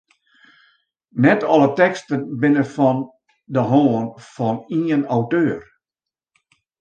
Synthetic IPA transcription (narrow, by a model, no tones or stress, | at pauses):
nɛtʰɔlˠətɛkstənbɪnəfɔn | dəɦoːənfɔniənawtøːr